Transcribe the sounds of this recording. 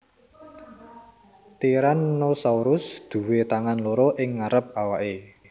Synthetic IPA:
t̪iɾanːosauɾʊsd̪̥ṳwet̪aŋanloɾɔʔɪŋːaɾəp̚awaʔe

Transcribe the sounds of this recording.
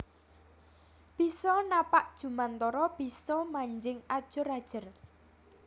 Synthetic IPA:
b̥isɔnapaʔd̥ʒ̥ṳmant̪ɔɾɔb̥isɔmaɲd͡ʒɪŋad̥ʒ̥ʊ̤ɾad̥ʒ̥ə̤r

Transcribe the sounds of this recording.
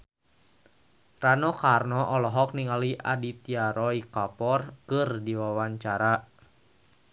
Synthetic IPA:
ranɔkarnɔʔɔlɔɦɔk̚niŋaliʔa̰dit̪iaɾɔikapɔrkɨrdiwawaɲt͡ʃaɾa

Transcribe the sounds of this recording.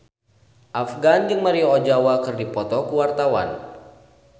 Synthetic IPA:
ʔafɡand͡ʒɨŋməɾiɔd͡ʒawakɨrdipɔt̪ɔkuwart̪awa̰n

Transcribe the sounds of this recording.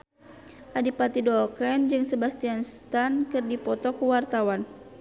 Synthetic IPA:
ʔadipat̪idɔkɛnd͡ʒɨŋsɛbast̪ianst̪ankɨrdipɔt̪ɔkuwart̪awan

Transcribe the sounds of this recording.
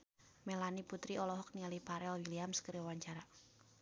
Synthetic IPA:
melaniput̪ɾiɔlɔɦɔk̚nialipaɾɛlwiliamskəɾiwaɲt͡ʃaɾa

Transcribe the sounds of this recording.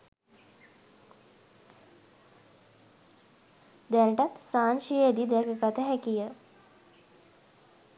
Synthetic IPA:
d̪ɛnʈat̪saːnʃijəed̪id̪ɛkəkat̪əɦɛkijə

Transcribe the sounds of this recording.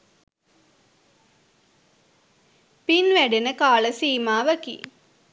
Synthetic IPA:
pinʋæɖenəkaːləsiːmaːʋəkḭ

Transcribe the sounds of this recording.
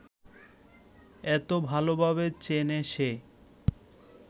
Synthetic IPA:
ɛt̪obʱalobʱaβet͡ɕeneʃe

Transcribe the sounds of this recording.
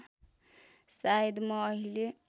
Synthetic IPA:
sajd̪mʌːɦile

